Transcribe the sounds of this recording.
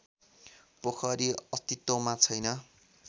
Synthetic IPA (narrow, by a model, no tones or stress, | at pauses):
pokʰʌɾiʌst̪it̪womat͡sʰʌjnʌ